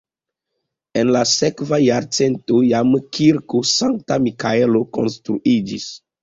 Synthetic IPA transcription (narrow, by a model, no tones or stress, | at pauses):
enlasekvajaɾt͡sentojamkʰiɾkosaŋk̚tamikaeloko̞̰nstɾuʔid͡ʒḭs